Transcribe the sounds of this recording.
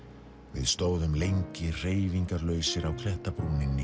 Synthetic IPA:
vɪ̰ðst̪oːwðʏmlejɲcɪr̥eːjviŋkaɾlœːɥsɪɾawkʰɾɛht̪apɾuːnɪnːɪ

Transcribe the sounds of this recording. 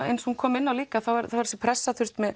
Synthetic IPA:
ḛjnshunkʰɔːmɪnːawliːkaθawvaɾθavaɾsɛpʰɾɛsːaθʏr̥t̪mɛð

